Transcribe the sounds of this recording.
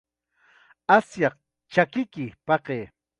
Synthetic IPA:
asjɑq | t͡ʃakɪkɪpɑqeː

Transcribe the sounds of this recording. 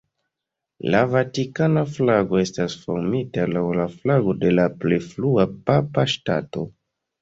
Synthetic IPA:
lavatikanaflaɡo̞e̞stasfo̰ɾmitalawlaflaɡo̞de̞laplejfluapapaʃta̰to̞̰

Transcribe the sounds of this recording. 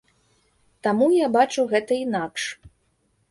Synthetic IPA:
t̪amujabat͡ʂuɣɛt̪ɐinakʂ

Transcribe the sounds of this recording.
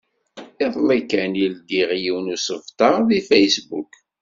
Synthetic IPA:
ɪðˤlikænilɡ̪iʁjiwnusəvt̪ɑʁðifejsbuk

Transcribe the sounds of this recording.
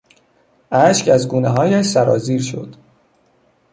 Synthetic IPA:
ʔæʃkæzɡuːneɦɒːjæʃsæɾɒ̰ːziːɾʃo̞̰d̪̥

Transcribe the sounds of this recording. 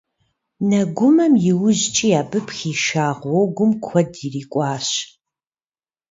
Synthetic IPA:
nɐɡʷʊmɐmjɪwʊʑt͡ʃʼijaːbɨpxiːʃaːʁwɔwɡʷʊmkʷʰɔdiriːkʷʼɑːɕ

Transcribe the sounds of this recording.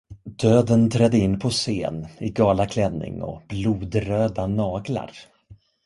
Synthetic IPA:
d̪øːd̪ənt̪ʰɾɛd̪ːəɪnːpʰɔseːnɪɡɑːlakʰlɛnːɪ̰ŋɔ̰b̥luːd̪ɾøːd̪anɑːɡla̰ɾ

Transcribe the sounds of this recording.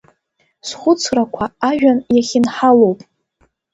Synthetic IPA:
sχʷʊt͡sʰrakʷʰaːʒᶣanjaχʲɪnħalo̞wpʼ

